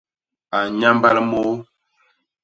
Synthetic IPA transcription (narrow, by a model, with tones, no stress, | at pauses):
a˨ɲa˦mba˦lmo˦